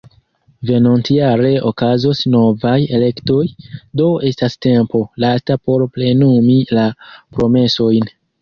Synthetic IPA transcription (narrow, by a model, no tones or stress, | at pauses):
venontiaɾe̞ʔo̞kazosno̞vaje̞le̞kto̞jdo̞e̞staste̞mpo̞lastapo̞ɾple̞numilapɾo̞me̞so̞jn